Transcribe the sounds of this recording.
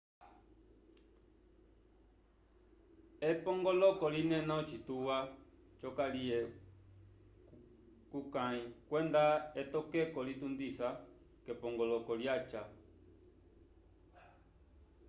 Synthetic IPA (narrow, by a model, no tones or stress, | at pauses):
epɔŋɡɔlɔkɔlinɛ̃nãt͡ʃit̪uwa | t͡ʃɔkaliɛ | kukãĩkwɛnd̪aet̪ɔkɛkɔlit̪und̪isa | kɛpɔ̃ŋɡɔlɔkɔljat͡ʃa